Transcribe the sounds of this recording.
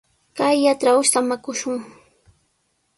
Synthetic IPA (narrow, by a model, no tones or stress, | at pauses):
kajːaʈ͡ʂɾaʊʃt̪amakʊʃʊŋ